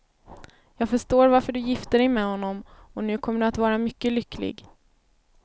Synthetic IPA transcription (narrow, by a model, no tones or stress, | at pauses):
jɑːɡfœʂʈoːɾvaɾfəɖɵjɪft̪əɖɛjmɛːhɔnːɔmɔnʉ̟ːkʰɔməɖɵat̪vɑːɾamʏkːəlʏklɪ̰ɡ